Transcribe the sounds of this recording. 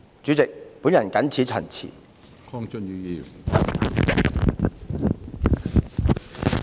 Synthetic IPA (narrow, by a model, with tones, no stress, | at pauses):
t͡ʃyː˨˥t͡sɪ˨k̚pu˨˥njɐ˨˩nkɐ˨˥nt͡sʰiː˨˥t͡ʃʰœ˨˩nt͡sʰḭː˨˩ | kʰɔ˥ŋt͡ʃə˥nyː˨˧ji˨˩w